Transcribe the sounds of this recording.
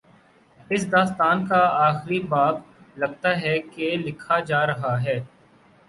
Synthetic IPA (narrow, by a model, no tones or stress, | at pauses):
ɪs̬d̪aːst̪aːnkaaːxɪɾibaːb | lɐɡ̚t̪aɦɛkelɪkʰad͡ʒaːɾɐɦaɦɛː